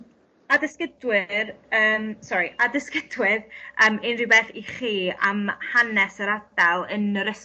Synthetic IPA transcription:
adɪskədwɪrəːmsɔɾiadɪskədwɪðəːmɪnribɛθiχiːamhanɛsəɾad̥alˠənəɾəs

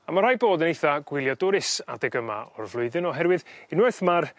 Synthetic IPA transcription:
amar̥ajboːdənejθaɡ̥wɪlˠjɔdʊɾɪsa̰dɛɡəma̰ɔrvlˠʊɨðɨnɔɦɛɾwɨðɪnwɛrθmar

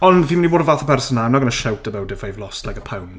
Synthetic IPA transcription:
ɔnviːmɪniboːdəvaːθəpʰɛrsɔnaɛmnaɡənəʃawtʰəbawdɛfajvlˠɔstʰlajkəpʰawn

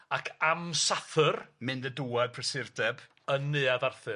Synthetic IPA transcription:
akʰamsaθɨrmɨndəduːɛd̚pʰrəsɪrdɛb̥ | ənːɨːaðarθɨ

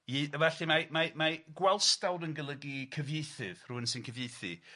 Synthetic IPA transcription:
ivɛɬimamamaɡwɛlˠstawdənɡəlˠəɡikʰəvjejθɨv̥ruənsɨnkʰəvjejθḭ

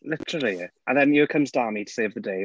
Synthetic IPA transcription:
lɪtʰəɹəl̩ˠiʔə̃nðɛ̃njəkʰə̃mzdaːmitʰə̥seɪvðədeɪ

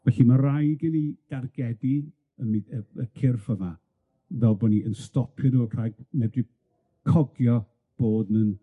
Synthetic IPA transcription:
vɛɬimarajɡɪnid̥arɡɛdi | əmiəəkʰɪrfəma | vɛlˠbɔniʔənstɔpʰjɔnuːr̥ajɡ̚mɛdri | kʰɔɡjɔ | b̥oːdnən

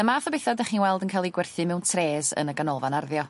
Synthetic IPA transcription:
əmaːθɔbejθadaχiːnwɛlˠdənkʰajlˠiɡwɛrθɨmɛwntʰreːzə̰nəɡanɔlˠvanarðjɔ

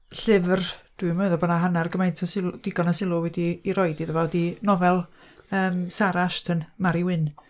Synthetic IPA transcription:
ɬɪvrd̥wɨmɔɨðɔbɔnaɦanarɡəmajntʰɔsɪld̥ɪɡɔnasɪlˠʊwɛdiːɾɔɨdiðəvɔdinɔvɛlˠ | əːmsaɾaʃtʰənmaɾiwɪn

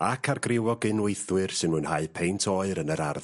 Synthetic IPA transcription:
akʰarɡrɪwɔɡɨnwejθwɨrsɨnmuːnhaɨpʰejntʰoɨɾənəɾar

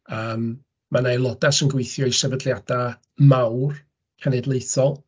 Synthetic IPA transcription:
əːmː | anajlˠɔdasənɡwejθjɔisɛvədlˠjad̥a | mawr | kʰanɛdlˠejθɔlˠ

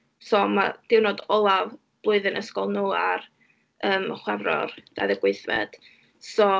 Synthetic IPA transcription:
sɔmad̥ɪwnoːdɔlˠav | b̥lˠʊɨðənʔəskɔlˠnuːar | əːmχwɛvrɔ̰rd̥a̰ðəɡweɨθvɛ̰d̥ | sɔ

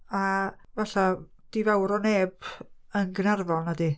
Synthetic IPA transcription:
avaɬa | d̥ivawɾɔneːbənɡənarvɔlˠnadi

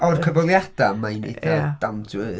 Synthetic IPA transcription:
ɔrkʰəvɔlˠjad̥amajnḛdad̥amdɨ

